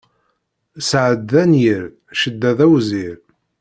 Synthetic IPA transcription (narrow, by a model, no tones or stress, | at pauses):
sʕəd̪ːænjiɾ | ʃəd̪ːæðæwziɾ